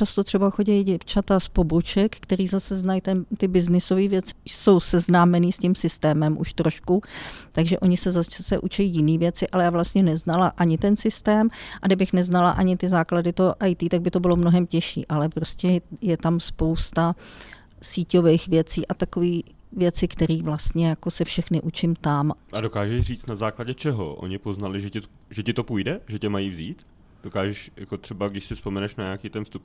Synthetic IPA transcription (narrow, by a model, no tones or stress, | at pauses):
t͡ʃast̪ot̪r̥ɛbaxo̞ɟɛjɟɛft͡ʃat̪aspo̞bot͡ʃɛkkt̪ɛɾiːzasɛznajt̪ɛnt̪ɪbɪznɪso̞viːvjɛt͡sɪ̥so̞wsɛznaːmɛniːscɪmsɪst̪ɛːmɛmʔṵʃt̪ɾo̞ʃkut̪aɡʒɛʔo̞ɲɪsɛzat͡ʃasɛʔut͡ʃɛjijɪniːvjɛt͡sɪʔalɛjaːvlast̪ɲɛnɛznalaʔaɲɪt̪ɛnsɪst̪ɛːmʔadɛbɪxnɛznalaʔaɲɪt̪ɪzaːkladɪt̪oɦʔajt̪iːt̪aɡ̚bɪt̪obɪlo̞mnoɦɛmcɛʃḭːʔalɛpɾoscɛjɛt̪amspowst̪a | siːco̞vɛjxvjɛt͡siːʔat̪akoviː | vjɛt͡sɪkt̪ɛɾiːvlast̪ɲɛjako̞sɛfʃɛxnɪʔut͡ʃɪmt̪amʔadokaːʒɛriːt͡st̪nazaːklaɟɛt͡ʃɛɦo̰ʔo̰ɲɪpo̞znalɪʒɛcɪt̪o | ʒɛcɪt̪o̞pujdɛʒɛcɛmajiːvziːt̪ | d̥okaːʒɛʃjakot̪r̥ɛbaɡdɪʃsɪspomɛnɛʃnaɲaakiːt̪ɛnfst̪up